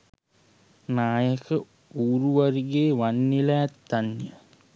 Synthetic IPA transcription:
naːjəkʰə | uːɾuʋaɾiɡeːʋanːilaːt̪ːanjə

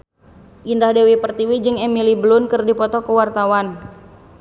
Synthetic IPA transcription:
ʔindahdewipərt̪iwid͡ʒɨŋɛmiliblʊnkɨrdipɔt̪ɔkəwart̪awan

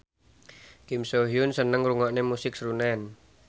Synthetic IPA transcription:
kimsoɦiunsənəŋruŋɔʔnemusɪk̚sɾunɛn

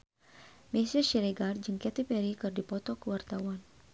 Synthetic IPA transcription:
mɛsiʃiɾɛɡard͡ʒɨŋkɛt̪ipɛɾikɨrdipɔt̪ɔkəwart̪awan

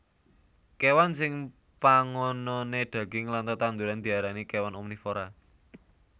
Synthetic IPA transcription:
kewansɪŋ | paŋɔnɔned̪̥ä̤ɡ̥ɪŋlant̪ət̪and̪uɾand̪̥i̤aɾanikewanomnifoɾa

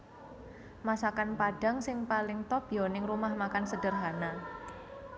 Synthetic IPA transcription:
masakanpaɖ̥a̤ŋsɪŋpalɪŋt̪ɔb̥ijɔnɪŋrumahmakansəd̥ərɦana

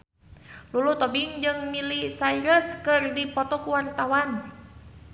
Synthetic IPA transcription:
lulut̪ɔbiŋd͡ʒɨŋmilisaiɾəskɨrdipɔt̪ɔkuwart̪awan

